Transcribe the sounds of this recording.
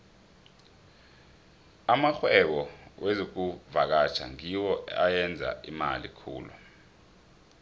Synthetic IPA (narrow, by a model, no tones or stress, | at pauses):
amaxwɛɓɔwʔezok̬uvak̬at͡ʃʰa̰ŋiwɔajɛnd͡zʱa̰ima̰lḭkʰṵːlu